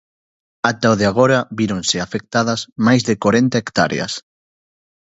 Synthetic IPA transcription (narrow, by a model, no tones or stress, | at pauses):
at̪aoðeaɣ̞oɾɐβiɾonsɪafek̚t̪aðɐzmajzðɪkoɾent̪aekt̪a̰ɾḛɐ̰s